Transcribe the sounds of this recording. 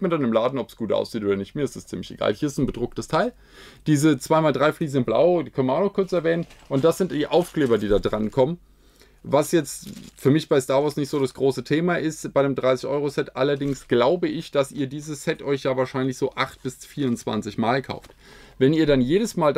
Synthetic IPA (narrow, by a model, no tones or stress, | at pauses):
mɪtdanəmlaːdn̩ɔpsɡ̥uːtʔa̰ʊsz̥iːtoːdɐnɪçtmiːɐɪstɛstt͡siːmlɪçḛɡ̥a̰ːlhiːɐɪstn̩bədʁʊk̚təstʰaɪl | d̥iːzət͡sv̥aɪmaːldʁaɪfliːznɪnb̥la̰ʊdiːkʰœnmaʊxnɔχkʰʊɐt͡sɛɐvɛːnənʔʊnt̚d̥asz̥ɪntd̥iːʔaʊfkl̥eːbɐdiːdaːdʁankʰɔmən | vasjɛt͡stfyːɐmɪçb̥aɪstaːɐvɔɐsnɪçtz̥oːɾasɡ̥ʁoːsətʰeːmaʔɪstb̥aɪɾəmdʁaɪsɪçʔɔ̰ʏʁosɛtʔa̰lɐdɪŋsɡ̥laʊbəʔɪçd̥asiːɐdiːzəsːɛtʔɔʏçjaːvaːɐʃaɪnlɪçz̥oːʔaχt̚b̥ɪsfiːɐʊnt͡sv̥a̰nt͡sɪçmaːlkʰa̰ʊft | vɛniːɐɾanjeːɾəsmaːl